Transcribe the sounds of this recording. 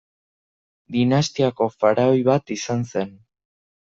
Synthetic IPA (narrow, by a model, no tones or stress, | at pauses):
d̪inast̪iako̞faɾaojβat̪isanse̞n